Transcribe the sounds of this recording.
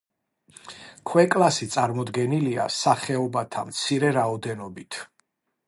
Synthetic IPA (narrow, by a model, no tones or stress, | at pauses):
kʰwɛkʼlasit̪sʼaɾmɔd̪ɡɛnilia̰saχɛɔbat̪ʰa̰mt̪sʰiɾɛɾaɔd̪ɛnɔbit̪ʰ